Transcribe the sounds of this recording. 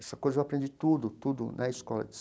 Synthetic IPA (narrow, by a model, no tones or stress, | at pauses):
ɛsɐkojzɐewapɾẽnd̪d͡ʒit̪ud̪ʊt̪ud̪ʊ̰nʔɐiskɔlɐ̰d͡ʒɪs